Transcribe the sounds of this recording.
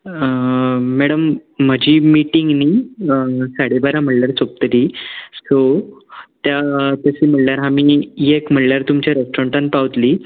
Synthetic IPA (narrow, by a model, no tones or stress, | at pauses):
ɛɽəmːəd͡ʑʱiːmiʈiŋɡniː | saɽebaɾãm̤əɽljaɾt͡sok̚t̪əɾiːso | t̪jat̪əsiːm̤əʈljaɾɦamiːjekm̤əʈljaɾt̪umt͡ɕjaɾesʈɾɔ̃ɳʈanpaʋt̪liː